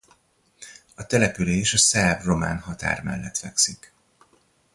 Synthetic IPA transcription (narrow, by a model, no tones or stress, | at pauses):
ɒt̪ɛlɛpyleːʃɒsɛbro̞ma̰ːnhɦɒt̪a̰ːrmɛ̰lːɛt̪fɛksik